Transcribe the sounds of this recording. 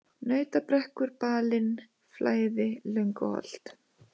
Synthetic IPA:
nœːɥt̪apɾɛhkʏɾpaːlɪn | flaːjðɪlʏŋkɔhɔ̰l̥t̪

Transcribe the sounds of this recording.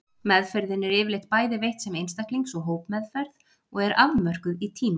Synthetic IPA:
mɛðfɛɾðɪnɛɾɪːvɪɾlejht̪̚paːjðɪvejht̪sɛmejnst̪akliŋksɔɣɦoːwpmɛðfɛɾð | ɔɣɛɾʔavmœr̥kʏðit̪ʰiːma

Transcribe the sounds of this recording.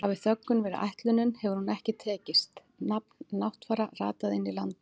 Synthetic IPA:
avɪθœkːʏnvɛːɾɪʔa̰jht̪lʏnːʏnhɛvʏɾhunɛhcɪt̪ʰɛːcɪst̪ | napnːawht̪faːɾara̰ːt̪aðɪnːilant̪

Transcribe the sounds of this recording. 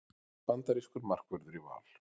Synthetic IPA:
pant̪aɾiskʏɾmar̥kvʏɾðʏɾiva̰ːl̥

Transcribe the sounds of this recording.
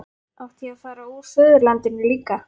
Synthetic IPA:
awht̪iaðfaːɾauɾfœðʏɾlant̪ɪnːɪliːka

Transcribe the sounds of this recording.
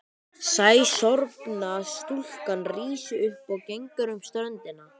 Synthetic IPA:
saːjsɔɾpnast̪ul̥kanriːsʏʏhpɔɣcejŋkaɾʏmst̪œnt̪ɪna

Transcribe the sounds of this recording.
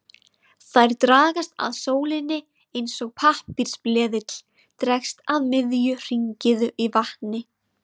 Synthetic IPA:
θajɾt̪ɾaːɣast̪a̰ðsoːwlɪnːɪ | ejnsɔɣpʰahpiɾ̥splɛːðɪt̪l̥ | t̪ɾɛkst̪aðmɪðjʏr̥iɲcɪðʏivaht̪nɪ

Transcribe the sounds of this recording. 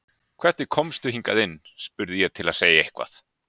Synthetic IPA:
kʰv̥ɛr̥t̪ɪkʰɔmst̪ʏhiŋkaðɪnːspʏɾðɪjɛt̪ʰɪlaðseːjaehkva̰θ

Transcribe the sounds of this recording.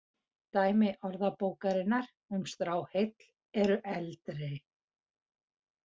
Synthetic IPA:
t̪aːjmɪʔɔɾðapoːwkaɾɪnaɾ̥ | ʏmst̪ɾaːwhejt̪l̥ | ɛɾʏʔɛlt̪ɾɪ

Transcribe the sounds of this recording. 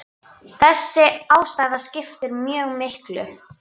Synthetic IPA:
θɛsːɪaːwst̪aːjðascɪft̪ɪɾmjœːɣmɪhklʏ̰

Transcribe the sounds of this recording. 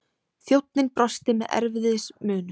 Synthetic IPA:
θjowt̪̚nɪnpɾɔst̪ɪmɛðɛ̰ɾvɪðɪsmʏːnʏ

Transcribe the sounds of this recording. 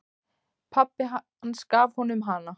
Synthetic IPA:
pʰapːɪ | anskaːvhɔnʏmɦana

